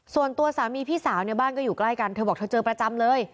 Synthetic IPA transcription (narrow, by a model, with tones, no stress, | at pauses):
su˨˩ənt̪u˧ɐsaː˩˦wmiː˧pʰiː˥˩saː˩˦wni˥˩baː˥˩nkɔː˥˩juː˨˩kla˥˩jka˧nt̪ʰɤː˧bɔː˨˩k̚t̪ʰːt͡ɕɤː˧pɾa˧t͡ɕa˧mlɤː˧j